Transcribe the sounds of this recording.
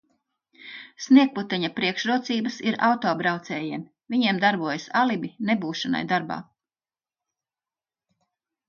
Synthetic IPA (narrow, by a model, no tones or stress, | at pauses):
sniɛk̚put̪ɛɲapɾiɛkʃɾuɔt̪siːbəsiɾawt̪ɔːbɾawt̪sɛːjiːm | vʲiɲiɛmd̪aɾbuɔjɐsalibinebuːʃana̰jd̪aɾba̰ː